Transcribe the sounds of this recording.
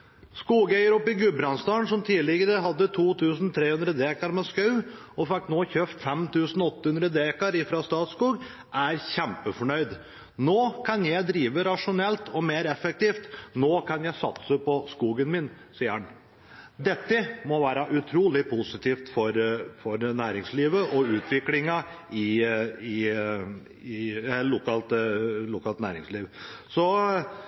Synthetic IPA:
skuːɡæɪəɾɔpːɪɡʉbɾɑnst̪ɑːɳsɔmt̪ʰiːlɪɡəɾəɦɑd̪ːət̪ʰuːt̪ʰʉːsn̩t̪ʰɾeːhʉnd̪ɾəd̪eːkɑɾmɛskɑʉ | ɔfɪkt̪noːçøft̪fɛmt̪ʰʉːsn̩ɔɔt̪ːəhʉnd̪ɾəd̪eːkɑɾɪfɾɑst̪ɑːt̪skuːɡ | ʔæɾçɛmpəfɔɳœʏd̪ | noːkʰɑnjæɪd̪ɾiːʋəɾɑʂʊnɛlt̪ʰɔmeːɾɛfɛk̚t̪iːft̪noːkʰɑnjæɪsɑt̪səpʰɔskuːɡənmɪn | siːəhɑn | d̪ɛt̪ːəmɔʋæːɾɑʔʉt̪ʰɾuːlɪpʰʊsɪt̪ʰiːft̪fɔɾfɔɾnæːɾɪŋsliːʋəʔɔʉːt̪ʰʋɪklɪŋɑɪɪ | ɪɛlʊkɑlt̪lʊkɑːlt̪næ̰ːɾɪŋsliːʋsɔ

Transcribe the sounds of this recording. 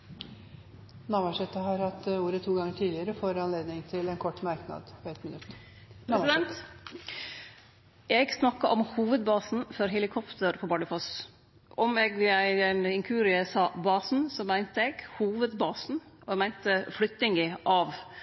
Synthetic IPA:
nɑʋɑʂɛt̪ːəɦɑɾhɑt̪ːuːɾət̪ʰuːɡɑŋːəʈʰiːd̪lɪəɾəfoːɾɑnleːd̪nɪŋt̪ʰɪlɛnkʰɔʈːmɑɾknɑ̰d̪pɔɛt̪mɪnʉt̪ː | pʰɾɛsɪd̪ɛnt̪ | ʔɛɡsnɑkːɑʔɔmhuːʋəd̪bɑːsn̩fɔɾɦɛlɪkʰɔpt̪ʰəɾpʰɔbɑɖəfɔs | ʔɔmɛɡʋɪæɪɛnɪŋkʰʉːɾɪsɑːbɑːsn̩sɔmæɪnt̪əɛɡhuːʋəd̪bɑːsn̩ʔɔɛɡmæɪnt̪əflʏt̪ːɪŋɡɪʔɑʋ

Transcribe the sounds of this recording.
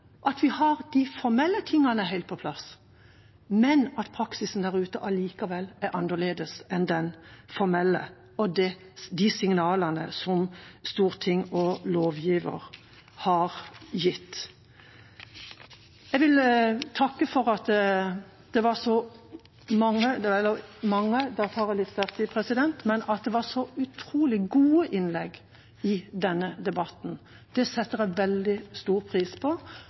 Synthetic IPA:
ʔɑt̪ʋɪhɑʁd̪̥ɪfɔɾmɛlːət̪ʰɪŋːɑnəɦæɪlt̪̚pʰɔpʰlɑs | mɛnɑt̪pʰɾɑksɪsn̩d̪æɾʉːt̪əʔɑliːkɑʋɛlːæɾʔɑnəɭeːd̪əsɛnd̪ɛnfɔɾmɛlːə̰ | ɔd̪ɛ | d̪ɪsɪŋnɑːlɑnə̰sɔmst̪uːʁt̪ʰɪŋːɔloːʋjiːʋə̰ɾ | hɑɾjɪt̪ː | jɛɡʋɪlt̪ʰɑkːəfɔʁɑt̪ə | d̪̥ɛʋɑsɔ | mɑŋːəd̪ɛɛləmɑŋːəd̪ɑt̪ʰɑːʁɛlɪt̪st̪æʁt̪ɪpʰʁɛsɪd̪ɛnt̪mɛnɑt̪̚d̪ɛʋɑʁʂɔʉt̪ʰɾuːlɪɡuːəʔɪnlɛɡ | ɪd̪ɛnːəd̪ɛbɑt̪n̩ | d̪̥ɛsɛt̪ːəʁɛʋɛld̪ɪst̪uːʁpʰʁiːspʰɔ

